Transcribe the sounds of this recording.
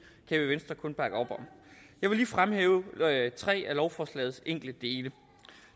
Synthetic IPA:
kʰɛb̥əʋensd̥ʁɐkʰɔ̽nb̥ɑ̈ɡ̥ɒ̽b̥ɒ̽m | jɑ̈ɪʋe̝liːfʁamhḛːʊt͡sʰʁɛ̰ːælɒʊfɒːslɛ̰ːð̩ˠseŋ̰ɡ̥l̩d̥əd̥e̝ːlə

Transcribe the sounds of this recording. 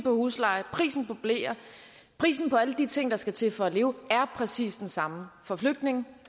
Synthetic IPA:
pʰɒ̽huːslɑ̈ɪpʰʁḭːsn̩pʰɒb̥le̝̰ːɐ | pʰʁḭːsn̩pʰɒ̽æləd̥it͡sʰe̝ŋ̰d̥ɑ̈sɡ̥æt͡sʰe̝lfɒ̽æle̝ːʊæɐpʰʁɛsḭːsd̥ensɑ̈məfɒ̽fløɡ̥̚d̥ne̝ŋ̩

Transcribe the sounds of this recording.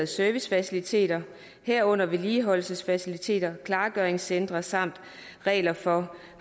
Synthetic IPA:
ð̩ˠsøɐʋisfæsilit͡sʰe̝̰ːd̥ɐ | heɐ̰ɔ̽n̰ɐʋe̝liːɦɒ̽lsəsfæsilit͡sʰe̝̰ːd̥ɐkʰlɑ̈ːɡ̥œɐeŋsend̥ʁɐsɑ̈m̰d̥ | ʁɛ̰ːlɐfɒ̽ | h

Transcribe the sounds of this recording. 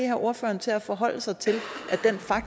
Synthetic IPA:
ehæɐʔo̝ɐfø̰ːɐnt͡sʰe̝læfɒ̽ɦɒ̽l̰əsɑ̈ɪt͡sʰe̝lʔæd̥enfɑ̈ɡ̥̚

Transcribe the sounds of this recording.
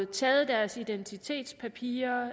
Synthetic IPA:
t͡sʰɛːð̩ˠd̥æɐsid̥ent͡sʰit͡sʰe̝̰ːd̥spʰæpʰḭːɐ

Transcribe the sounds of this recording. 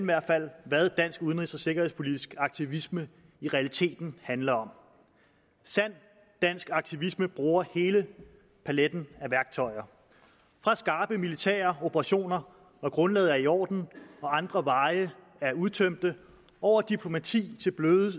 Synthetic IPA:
iʋæɐd̥fæl̰ʋæðˠd̥æn̰sɡ̥uð̞ˠən̩ʁisɒ̽se̝ɡ̥ɐhe̝ðˠspʰo̝lid̥isɡ̥ɑ̈ɡ̥̚t͡sʰiʋismə | iʁɛælit͡sʰe̝̰ːd̥n̩hænlɐɒ̽m | sæn̰̥ | æn̰sɡ̥ɑ̈ɡ̥̚t͡sʰiʋisməb̥ʁuːɐhe̝ːlə | pʰæled̥n̩æʋæɐɡ̥̚t͡sʰɒ̽ɪ̰ɐ | fʁɑ̈sɡ̥ɑ̈ːb̥əmilit͡sʰɛ̰ːɐo̝b̥ʰəʁɑ̈ɕo̝̰ːnɐ | ʋɒɡ̥ʁɔ̽nlɛ̰ːðˠæɐiɒ̰ːd̥n̩ɒ̽ɑ̈nd̥ʁɐʋɑ̈ɪə | æɐuðˠt͡sʰøm̰d̥ə | ʔɒʊ̰ɐd̥ipʰlo̝mæt͡sʰḭːt͡sʰe̝lb̥løːðˠ

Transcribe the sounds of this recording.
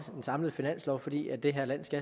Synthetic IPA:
d̥ensɑ̈mləð̩ˠfinæn̰slɒʊfɒ̽d̥ḭːæd̥eɦæɐ̰læn̰sɡ̥æ

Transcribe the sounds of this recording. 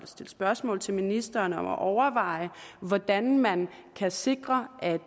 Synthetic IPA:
lsd̥e̝lsb̥ɶɐsmɔ̰̽ːlt͡sʰe̝lminisd̥ɐːnəɒ̽mæʔɒʊɐʋɑ̈ɪ̰əʋɒd̥ænmæn | kʰæse̝ɡ̥ʁɐʔæd̥

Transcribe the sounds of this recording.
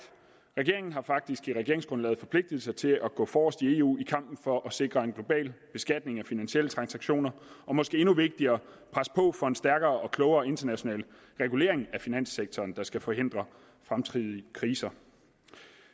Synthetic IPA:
ʁɛɡ̥e̝ɐe̝ŋn̩ɦɑ̈fɑ̈ɡ̥̚d̥isɡ̥iʁɛɡ̥e̝ɐeŋsɡ̥ʁɔ̽nlɛ̰ːð̩ˠfɒ̽pʰle̝ɡ̥̚d̥ið̩ˠsɑt͡sʰe̝lʔæɡ̥ɔ̰̽ːfɒːsd̥ie̝ṵːikʰɑ̈m̰b̥n̩fɒ̽ʔɒ̽se̝ɡ̥ʁɐe̝nɡ̥lo̝b̥ɛ̰ːlb̥e̝sɡ̥æd̥̚ne̝ŋæfinænɕiel̰ət͡sʰʁɑ̈nsɑ̈ɡ̥ɕo̝̰ːnɐʔɒ̽mɒ̽sɡ̥e̝̰ːe̝nuʋe̝ɡ̥̚d̥iɐː | pʰʁaspʰɒ̽fɒ̽e̝nsd̥æɐɡ̥ɐːʔɒ̽kʰlɔʊɐːe̝nd̥ɐnæɕo̝nɛ̰ːl | ʁɛɡ̥ule̝̰ɐ̰e̝ŋæfinæn̰seɡ̥̚t͡sʰɒːnd̥ɑ̈sɡ̥æfɒ̽he̝n̰d̥ʁɐ | fʁamt͡sʰʁiðˠiəkʰʁiːsɐ

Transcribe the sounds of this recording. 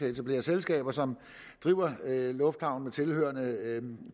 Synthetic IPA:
et͡sʰæb̥le̝̰ːɐselsɡ̥ɛ̰ːb̥ɐsɒ̽m | d̥ʁiːʊ̰ɐlɔ̽fd̥hɑ̈ʊ̰n̩met͡sʰe̝lhø̰ɐnə

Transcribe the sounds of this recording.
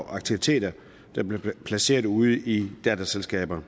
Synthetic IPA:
ʔɑ̈ɡ̥̚t͡sʰiʋit͡sʰe̝̰ːd̥ɐ | d̥ɑ̈b̥le̝pʰlæse̝̰ːɐðˠuð̞̩ˠid̥æd̥æselsɡ̥ɛ̰ːb̥ɐ

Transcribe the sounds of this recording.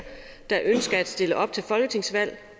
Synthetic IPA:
d̥ɑ̈ʔønsɡ̥ɐæd̥sd̥e̝ləʔɒ̽b̥̚t͡sʰe̝lfɒ̽lɡ̥ət͡sʰe̝ŋsʋæl̰

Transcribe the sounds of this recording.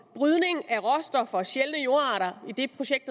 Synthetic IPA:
b̥ʁyðˠne̝ŋæʁɒsd̥ɒ̽fɐɕelnəjo̝ɐɑ̈ːɾɐid̥e̝pʰʁo̝ɕeɡ̥̚d̥

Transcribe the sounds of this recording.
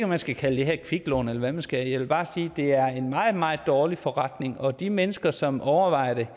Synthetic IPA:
ɡɒmænsɡ̥ækʰæləd̥e̝ɦeɐ̰kʰʋiɡ̥lɔ̰ːnelɐʋæmænsɡ̥æjaɪʋe̝lb̥ɑ̈ːsiːd̥e̝æɐe̝nmɑ̈ːð̩ˠmɑ̈ːð̩ˠd̥ɒːlifɒʁɑd̥ne̝ŋɒ̽d̥imenəsɡ̥ɐsɒ̽mɒʊɐʋɑ̈ɪ̰ɐd̥e

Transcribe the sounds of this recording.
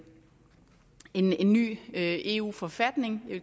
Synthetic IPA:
e̝ne̝nːy̰ːøe̝ːṵːfɒ̽fæd̥ne̝ŋj

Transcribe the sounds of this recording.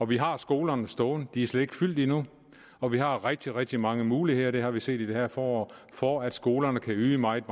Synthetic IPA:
ɒ̽ʋiɦɑ̈sɡ̥o̝ːlɐnəsd̥ɔːnəd̥iæɐsled̥e̝ɡ̥fyl̰d̥inu | ɒ̽ʋiɦɑ̈ʁɛɡ̥̚d̥iʁɛɡ̥̚d̥imɑ̈ŋəmuːlihe̝ð̰ˠɐd̥e̝hɑ̈ʋise̝̰ːd̥id̥ehæɐfɒːɒfɒæd̥sɡ̥o̝ːlɐnəkʰæyːmɑ̈ɪed̥̚m

